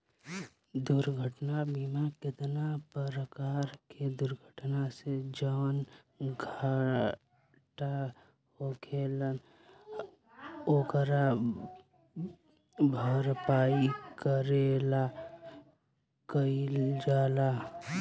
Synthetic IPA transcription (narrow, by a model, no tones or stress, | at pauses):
d̪uɾɡʱəʈnabimakɪt̪napəɾəkaːɾked̪ʊɾɡʱəʈnased͡ʒəːn | ɡʱa | ʈa | ɦokʰeːlən | oːkəɾa | bʱəɾpaːikəɾela | kəild͡ʒaːla